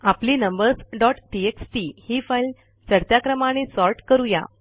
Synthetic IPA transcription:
apliːnəmbəɾsɖɔʈʈieksʈihiːfajl | t͡səɾt̪jakɾəmañesɔɾʈkəɾuja̰

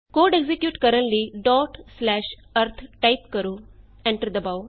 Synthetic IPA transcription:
koɖeɡzekjuːʈkəɾəɳʈliɖɔʈslæɕ | əɾt̪ʰʈajp̚kəɾuː | ɛ̃ɳʈəɾd̪əbaw

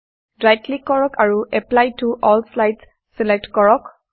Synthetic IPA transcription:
dɹajtʰlikɔɹɔkʰaɹuʔɛplajtuʔɔlslajds | sɛlek̚tkɔɹɔk

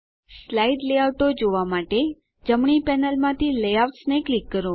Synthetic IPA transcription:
slaiɖleaʋʈod͡ʒoʋamaʈe | d͡ʒəmɳipɛnəlmãt̪ʰiləjaʋʈsneklikːəɾũ

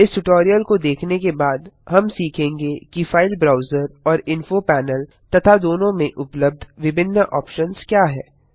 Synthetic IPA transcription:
ɪsʈʊʈɔːɾijəlkod̪eːkʰnekebaːd̪ɦɐmsiːkʰẽːŋɡekifaːɪlbɾaːʊzəɾɔːɾɪ̃nfopɛːnəl | t̪ɐt̪ʰad̪oːnõmẽʔʊpləb̚d̪ʱʋɪbʱɪnːəʔɔːpʃənz̥kjaːɦɛ̰ː

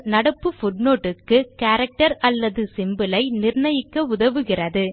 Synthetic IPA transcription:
nɐɽɐpːɯfʊʈnoːʈːɯkːɯkaːɾɐk̚ʈɐɾɐlːɐðɯsɪmbɯlɐɪnɪrɳɐjɪkːɐʊðɐʋɯɣɪrɐðɯ

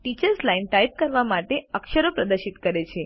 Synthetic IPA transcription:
ʈit͡ɕəɾslainʈajp̚kəɾʋamaʈeəkʃəɾopɾəd̪əɾʃit̪kəɾet͡ʃʰe

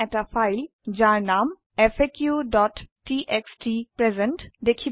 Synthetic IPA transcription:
ɛʈafaɪl | d͡ʒaːɾnaːm | efekjuɖɔːʈː | iʔeksʈipɾezẽɳʈd̪ekʰi

